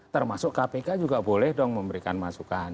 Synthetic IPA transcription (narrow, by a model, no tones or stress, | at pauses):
t̪ərmasʊkkapekad͡ʒuɡabolɛhdɔŋməmbəɾika̰nmasukan